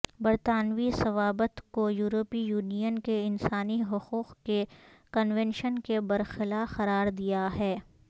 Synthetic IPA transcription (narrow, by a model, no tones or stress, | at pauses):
bɐɾt̪aːnʋisɐʋaːbət̪kojuːɾoːpijuːnijənkeɪnsaːniɦʊquːqkekɐnʋɛ̃nʃənkebɐɾxɪlaxɐɾaːɾd̪ijaɦɛː